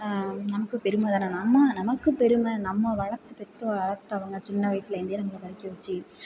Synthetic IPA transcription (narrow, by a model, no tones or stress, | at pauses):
nɐmɐkːɯpɛɾɯmɐðaːnɐnɐmːɐnɐmɐkːɯpɛɾɯmɐnɐmːɐʋɐɭɐɾt̪ːɯpɛt̪ːɯɐɭɐɾt̪ːɯɐʋɐŋɡɐt͡ʃɪnːɐʋɐjsɪlɐɪnd̪ejeːnɐmːɐɭɐpɐɻɪkːɯʋɐt͡ʃːɯ